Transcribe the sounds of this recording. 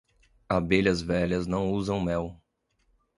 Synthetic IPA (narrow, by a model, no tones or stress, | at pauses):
abeʎɐzvɛʎɐznɐ̃w̃uzɐ̃w̃ʊmɛw